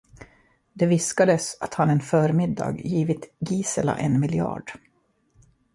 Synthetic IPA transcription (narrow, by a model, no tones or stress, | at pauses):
d̪ɛvɪskad̪əsat̪hanɛnfœːɾmɪd̪ːɑ̰ːɡjiːvɪt̪ɡiːsəla̰ʔɛnmɪlɪɑ̰ːɖ̥